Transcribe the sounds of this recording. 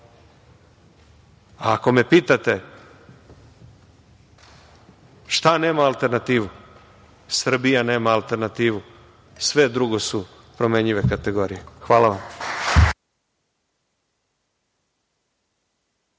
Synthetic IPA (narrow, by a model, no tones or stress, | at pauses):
aːko̞me̞piːt̪at̪e̞ | ʃt̪ane̞ːmaːlˠt̪e̞ɾnat̪iːʋu | sr̩bijane̞ːmaːlˠt̪e̞ɾnat̪iːʋu | sʋe̞d̪ɾuɡo̞su | pɾo̞meɲiʋe̞kat̪e̞ɡo̞ːɾijexʋaːlaʋam